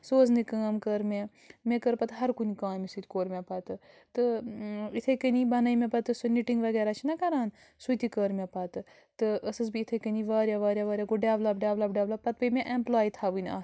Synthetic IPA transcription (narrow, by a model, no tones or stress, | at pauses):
soːznɨkaːmkəɾme | mekəɾpɐt̪ɦɐɾkunikaːmisɨt̪ʲkoːɾmʲepɐt̪ɨ | t̪ɨit̪ʰekənibɐnɐjmepɐt̪ɨsuniʈiŋɡʋɐɡeːɾaːt͡ʃʰinɐkɐɾaːn | sut̪ikəɾmʲepɐt̪ɨ | t̪ɨəsɨsbiːt̪ʰekəniʋaːɾjaʋaːɾʲjaʋɐːɾʲjaɡoɖjaːblɐbɖʲaːblɐbɖʲaːblɐpɐt̪̚bəmẽʔemplaːjit̪ʰaːʋɨnʲa̰ː